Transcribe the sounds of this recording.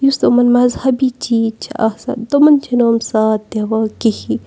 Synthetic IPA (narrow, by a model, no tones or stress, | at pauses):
just̪omɐnmɐzhɐbit͡ʃit͡ʃʰɐ̰sɐ̰d̪omɐnt͡ʃʰinoːmsaːt̪̚ːeʋakihi